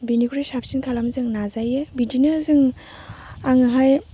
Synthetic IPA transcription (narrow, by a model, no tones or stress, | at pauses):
binikʰuɾisap̚sinkʰalamzɯŋnazajebidinɯzɯŋ | aŋɯɦaj